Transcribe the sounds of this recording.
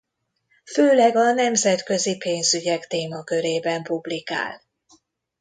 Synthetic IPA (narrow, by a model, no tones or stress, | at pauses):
føːlɛɡɒnɛmzɛt̪kø̞zipeːnzyɟɛkt̪eːmɒkø̞ɾeːbɛmpublika̰ːl